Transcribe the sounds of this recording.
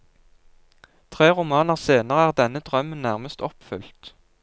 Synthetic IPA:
t̪ʰʁeːʁʊmɑːnəʁseːnəʁəæːʁd̪ɛnəd̪̥ʁœmənnæʁməst̪ɔpfʏ̰lt̪

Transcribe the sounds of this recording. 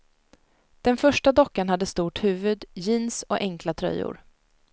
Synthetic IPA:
d̪̥ɛnfœʂʈad̪ɔkːaɳhad̪ːəst̪uːʈhʉ̟ːvɵd̪jɪnsɔʔɛŋklat̪ʰɾœ̰jːʊ̰ɾ

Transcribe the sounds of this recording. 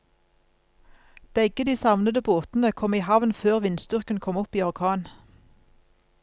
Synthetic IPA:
b̥ɛɡəd̪iːsɑʋnəd̪əboːt̪n̩əkʰɔmiːhɑʋnføːʁʋɪnst̪ʏʁkən̩kʰɔmɔpiːɑʁkʰɑːn

